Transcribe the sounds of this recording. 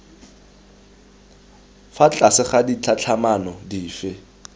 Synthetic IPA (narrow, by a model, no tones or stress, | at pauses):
fat͡ɬʼasɪχadit͡ɬʰat͡ɬʰamanɔdiːfɪ